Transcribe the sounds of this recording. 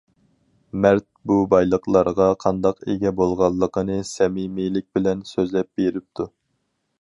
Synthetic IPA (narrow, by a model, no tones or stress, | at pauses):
mæɾt̪̚bubɑjlˠəqlˠɑɾʁɑqʰɑnd̪ɑqeɡʲɛbolˠʁɑlˠːəqʰənɨsɛmimilɪk̚ʲbɪlɛnsøzlɛp̚b̥eɾɪp̚t̪ʰu